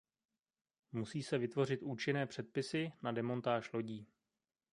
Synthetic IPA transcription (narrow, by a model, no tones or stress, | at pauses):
musiːsɛvɪt̪vo̞r̝ɪt̪ʔuːt͡ʃɪnɛːpr̥ɛt̪̚pɪsɪnadɛmo̞nt̪aːʃlo̞ɟiː